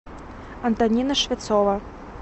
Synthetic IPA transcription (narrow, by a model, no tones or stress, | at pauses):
ɐnt̪anʲinɐʂvʲat̪sɔvɐ